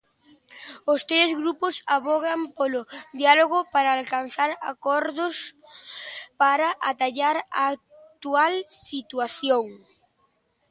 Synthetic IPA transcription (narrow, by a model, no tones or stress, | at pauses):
ʊst̪ɾezɣɾupʊsaβɔɣampolʊd̪ialoɣ̞ʊpaɾaːlkan̟θaɾa̰kɔɾðʊs | paɾaʔat̪aʎaɾaːt̪ualsit̪uaθjoŋ